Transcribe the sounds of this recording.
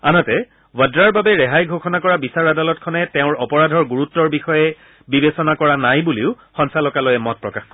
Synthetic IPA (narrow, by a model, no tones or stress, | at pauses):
anɔtɛ | wadɹaɹbabɛɹɛɦajɡʱoxɔnakɔɹabisaɹadalɔt̚kʰɔnɛtɛʊ̃ɹɔpɔɹadʱɔɹɡuɹutːɔɹbixɔjɛ | bibesɔnakɔɹanajbuleʊ | xɔnsalɔkalojɛmɔt̚pɹɔkaxkɔɹ